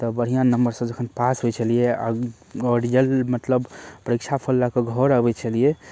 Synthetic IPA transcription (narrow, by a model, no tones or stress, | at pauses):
t̪ɔbəɾ̤ijãnəmbəɾsə̃d͡ʒəkʰənpasɦojt͡ʃʰəlijea̰ | ɔɖiəlmət̪ləbpəɾikt͡ʃʰapʰəlːakeɡʱɔɾəbɛt͡ʃʰəlije